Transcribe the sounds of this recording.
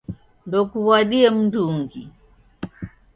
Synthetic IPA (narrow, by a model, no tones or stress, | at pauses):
ndɔkuwwaɗiɛm̩duŋɡi